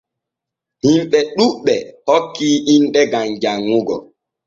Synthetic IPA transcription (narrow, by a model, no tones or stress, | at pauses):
himɓɛɗuɓːɛhokːiːʔinɗɛɡamd͡ʒaŋːuɡɔ